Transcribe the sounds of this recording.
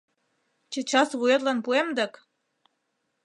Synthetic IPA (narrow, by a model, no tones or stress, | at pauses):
t͡ɕĕt͡ɕɑsβuet̪lɑnpuemd̪ək